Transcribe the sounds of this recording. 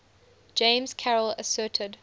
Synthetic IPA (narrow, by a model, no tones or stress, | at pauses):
d͡ʒ̥ẽɪ̃mz̥kʰæɹələsɜːˑtʰəd